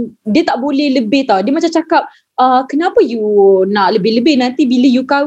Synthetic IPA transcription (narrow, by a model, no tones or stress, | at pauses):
diət̪aʔbolɛhləbɪht̪ɔhdiəmat͡ʃamt͡ʃakap̚ | əkənapəjunaʔləbɪhləbɪhnãnt̪ibiləjuka